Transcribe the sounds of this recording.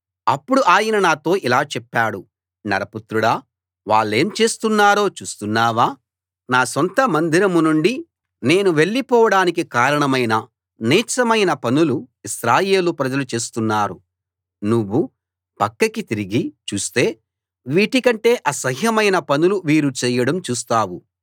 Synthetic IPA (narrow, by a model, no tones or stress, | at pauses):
ɐpːuɽuʔaːjɐnɐnaːt̪o̞ːʔilaːt͡ʃɛpːaːɽu | nɐ̰ɾɐput̪ɾuɽaː | ʋaːɭːe̞ːmt͡ʃe̞ːst̪unːaːɾo̞ːt͡ʃuːst̪unːaːʋaː | naːsɔnt̪ɐmɐnd̪ʱiɾɐmunuɳɖi | ne̞ːnuʋe̞ɭːipɔːʋɐɽaːnik̬ikaːɾɐɳɐmɐjnɐ | niːt͡ʃɐmɐjnɐpɐnuluisɾaːje̞ːlupɾɐd͡ʒɐlut͡ʃe̞ːst̪unːaːɾu | nuʋːu | pɐkːɐkit̪iɾiɡit͡ʃuːst̪e̞ː | ʋiːʈikɐɳʈe̞ːʔɐsɐɦjɐmɐjnɐpɐnuluʋiːɾut͡ʃɛːjɐɽɐmt͡ʃuːs̬t̪aːwu